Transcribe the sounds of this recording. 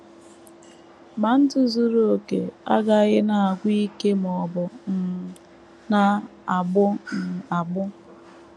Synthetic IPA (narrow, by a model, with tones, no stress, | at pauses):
ma˨n̩˦tʊ˦zu˦ɾu˦o˨kḛ˨a˦ɡa˦˨˦ɣɪ˦na˨a˨ɡʷi˦ke˦m˨ɔ˨bʊ˨n̩˨ | na˦a˨ɡ͡bʊ˦n̩˨a˨ɡ͡bʊ˦